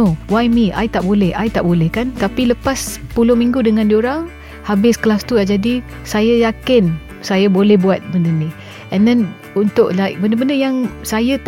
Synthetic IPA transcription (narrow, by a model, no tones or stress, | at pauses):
owajmiʔa̰jt̪aʔbolɛhajt̪aʔbolɛhkant̪apiləpaspulʊhmĩŋɡudəŋãndioɾaŋ | habɪskəlast̪uaʔd͡ʒadi | sajajakɪn | sajabolɛhbuat̪̚bəndəni | ɛndɛn | unt̪ʊʔlaɪk̚bəndəbəndəjaŋsajat̪